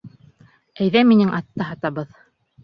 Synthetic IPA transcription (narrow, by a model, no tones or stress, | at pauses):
æjðæminɘŋʔɑt̪ːɤɦɑt̪ɑβɤð